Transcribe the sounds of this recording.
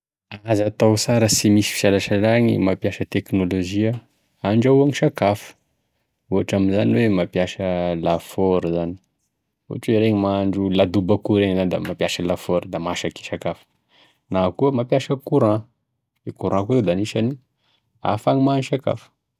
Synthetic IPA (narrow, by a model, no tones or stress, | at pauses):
azat̪awsaɾəsimisi̥fi̥ʃalaʃalaŋimapjaʃət̪eknoloʒia | aɳɖ͡ʐauaŋiʃakafə̥ | uaʈ͡ʂaminzaniwemapjaʃəlafɔɾzani̥ | ṵaʈ͡ʂweɾeɲimaɳɖ͡ʐulad̪ubakuɾeŋzanid̪a̰mapjaʃəlafoɾd̪amaʃake̥ʃakafə̥ | nakuəmapjaʃəkuɾã | ikuɾãkuzed̪aniʃani | a̰faŋimaniʃaka̰fə̥